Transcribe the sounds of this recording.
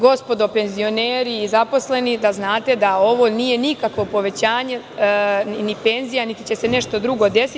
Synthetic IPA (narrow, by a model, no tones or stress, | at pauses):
ɡo̞spo̞d̪o̞pe̞nzio̞neːɾiːzapo̞sle̞nid̪aznaːt̪e̞d̪ao̞ʋo̞nije̞nikakʋo̞po̞ʋe̞t͡ɕaːɲe̞ | nipe̞nzijanit̪it͡ɕe̞se̞ne̞ʃt̪od̪ɾuɡo̞d̪e̞si